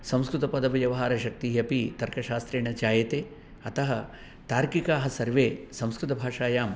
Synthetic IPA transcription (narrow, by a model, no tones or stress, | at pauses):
sɐ̃m̃skɾut̪ɐpɐd̪ɐʋɐjɐʋɐɦaːɾɐʃɐk̚t̪iɦɐpit̪ɐɾkɐʃaːst̪ɾeːɳɐt͡ʃaːjɐt̪eː | ɐt̪ɐɦɐ | t̪aːɾkikaːɦɐsɐɾʋeːsɐ̃mskɾut̪ɐbʱaːʂaːjaːm